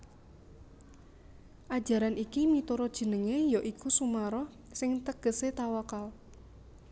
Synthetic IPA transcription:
ʔad̥ʒ̥ä̤ɾanikimit̪uɾɔd̥ʒ̥ə̤nəŋejɔʔikusumaɾɔh | sɪŋt̪əɡ̥əset̪awakal

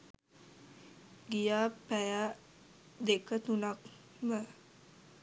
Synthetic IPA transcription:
ɡijaːpæja | d̪ekət̪unak | mə

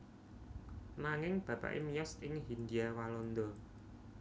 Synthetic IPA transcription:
naŋɪŋb̥ä̤pa̰ʔḛmijɔsɪŋɦind̪iawalɔnd̪ɔ

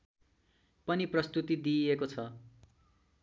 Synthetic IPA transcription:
pʌniprʌst̪ut̪id̪iekot͡sʰʌ

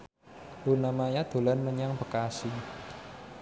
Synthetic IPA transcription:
unamajad̪̥o̤lanməɲaŋbə̤kasi

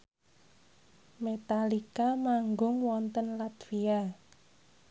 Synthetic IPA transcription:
met̪alikamaŋɡʊŋwɔnt̪ənlat̪fia

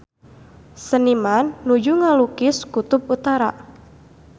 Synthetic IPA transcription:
sənimanːud͡ʒuŋalukɪskut̪ʊp̚ut̪aɾa̰

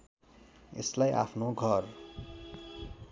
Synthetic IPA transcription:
ḛslajʔa̰pʰnoɡʱʌr

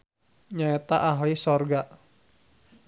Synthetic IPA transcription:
ɲaɛt̪aʔaɦlisɔrɡa

